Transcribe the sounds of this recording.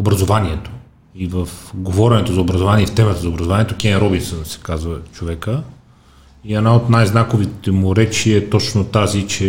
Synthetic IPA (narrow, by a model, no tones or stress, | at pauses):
obɾɐzovaniɛt̪o̥ | ivəfɡovɔɾɛnɛt̪ozɐobɾɐzovaniɛift̪ɛmət̪əzɐobɾɐzovaniɛt̪okʲɛnɾɔbinsənsɛ̥kazvət͡ʃovɛkə | iɛnaot̪najznakovit̪ɛmʊɾɛt͡ʃiɛt̪ɔt͡ʃnot̪azit͡ʃɛ